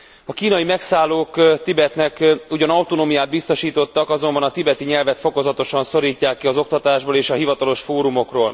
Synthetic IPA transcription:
ɒkiːnɒjimɛksaːlːoːkt̪ibɛt̪nɛkuɟɒnɒwt̪onoːmijaːd̪̚bist̪o̞ʃiːt̪o̞t̪ːɒkɒzo̞mbɒnɒt̪ibɛt̪iɲɛlvɛt̪fo̞ko̞zɒt̪o̞ʃɒnso̞ɾiːcːaːkːiɒzo̞k̚t̪ɒt̪aːʒboːleːʃɒɦivɒt̪ɒlo̞ʃfoːɾumo̞kro̰ːl

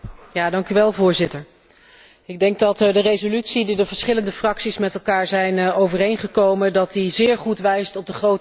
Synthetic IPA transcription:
jaːdɑŋkyʋɛlˠvʊːɹzɪtəɹ | ɪɡ̚dɛŋɡ̚dɑtdərejzolytsididəvəɹsχɪləndəfrɑksismɛtɛlˠkaːɹzɛjnowvərejnχəkowmədɑtizɪːɹχutʋɛjstɔb̚dəχrowt

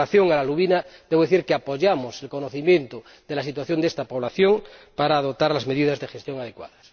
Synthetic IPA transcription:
aθjoŋalaluβinad̪eβo̞ðeθiɾkeapo̞ʝamoselkonoθimjent̪o | d̪elasit̪waθjo̞nd̪est̪apoβ̞laθjoŋpaɾaːð̞op̚t̪ːaɾlazme̞ðiðazðexest̪jo̞ŋað̞e̞kwa̰ðas

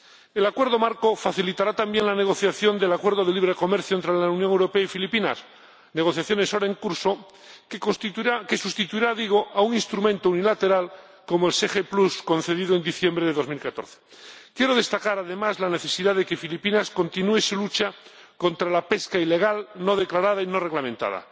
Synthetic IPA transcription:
elakwe̞ɾðo̞maɾko̞faθilit̪aɾat̪ambje̞ŋlane̞ɣ̞o̞θjaθjo̞nd̪e̞lakwe̞ɾðo̞ðe̞liβɾe̞ko̞me̞ɾθjoent̪ɾelaunjõŋewɾo̞peaifilipinas | ne̞ɣo̞θjaθjone̞so̞ɾae̞ŋkuɾso̞ | ke̞sust̪it̪uiɾaðiɣ̞o̞ʔauŋinst̪ɾumẽnt̪ounilat̪e̞ɾal | ko̞moelsexeplusko̞nθe̞ðiðoend̪iθje̞mbɾeðeðo̞zmilkat̪o̞̰ɾθe̥ | kje̞ɾo̞ð̞e̞st̪akaɾaðe̞mazlane̞θe̞siðaðeke̞filipinasko̞nt̪inuesulut͡ʃa | ko̞nt̪ɾalape̞skaile̞ɣ̞alno̞ð̞e̞klaɾað̞aino̞reɣlamẽnt̪a̰ða̰

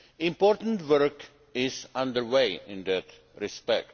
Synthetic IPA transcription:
ĩmpɔɾt̪ə̃ntwəɾk | ɪsãnd̪əɾweɪɪ̃nd̪æt̪ | ɹispɛk̚t

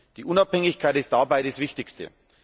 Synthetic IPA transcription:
d̥iːʔʊnaphɛŋɪçkʰaɪtɪst̚d̥abaɪɾasv̥ɪçtɪstə̰

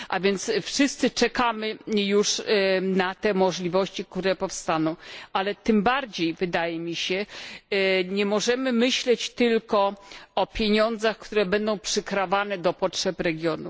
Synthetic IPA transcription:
ʔa̰vʲjɛnt̪sfʂɘst̪sɘt͡ʂɛkamɘjuʂnat̪ɛmɔʐlʲivɔɕt͡ɕik̚t̪uɾɛpɔfst̪anɔ̃w̃ʔalɛt̪ɘmbaɾd͡ʑejvɘd̪ajɛmʲiɕɛ | ɲɛmɔʐɛmɘmɘɕlɛt͡ɕt̪ɘlkɔɔpʲjeɲɔnd̪zaxkt̪uɾɛbɛnd̪ɔ̃w̃pʂɘkɾavanɛd̪ɔpɔtʂɛpɾɛɡʲjɔnu

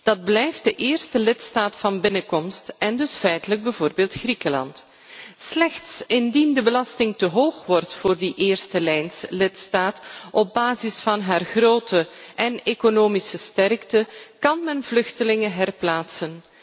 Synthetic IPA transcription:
d̥ɑd̚blɛjft̚d̥əʔɪːrstəlɪtstaːtfɑnbɪnəkɔmstɛndɵsfɛjtələɡ̚bəvoːrbeːlˠtxrikəlɑ̰nt | slɛxtsɪndindəbəlɑstɪŋtəɦoːxʋɔrtfoːrdiʔeːrstəlɛjnslɪtstaːtɔb̚baːzɪsfɑnɦaːrxroːtəʔɛnekonoːmisəstɛrktəkɑnmɛnvlɵxtəlɪŋəɦɛrplaːtsən

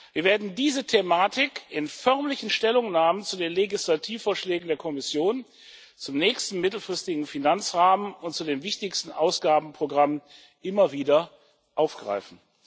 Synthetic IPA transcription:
viːɐveːɐdn̩diːzətʰemaːtʰɪkʔɪnfœɐmlɪçn̩ʃtɛlʊŋnaːmənt͡sudeːnleɡislatʰiːfoːɐʃlɛːɡŋ̩deːɐkʰɔmɪsjoːn | t͡sʊmnɛːçstn̩mɪtl̩fʁ̥ɪstɪɡŋ̩finant͡sʁaːmənʊnt̚t͡sudeːmvɪçtɪçstn̩ʔaʊsɡ̥aːbm̩pʁ̥oɡʁamn | ʔɪmɐviːdɐ | ʔaʊfɡ̥ʁa̰ɪfn̩

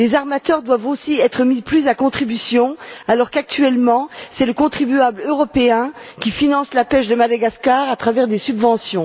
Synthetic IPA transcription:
lezaʁmat̪œʁd̪wavosiɛt̪χəmiplyzakɔ̃t̪χibysjɔ̃alɔʁkak̚t̪ɥɛlmɑ̃sɛləkɔ̃t̪χibyabløʁɔpeɛ̃kʲifinɑ̃slapɛʃd̪əmad̪aɡaskaʁat̪χavɛʁd̪esybvɑ̃sjɔ̃

